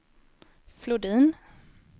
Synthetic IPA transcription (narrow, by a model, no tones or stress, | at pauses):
flʊd̪iːn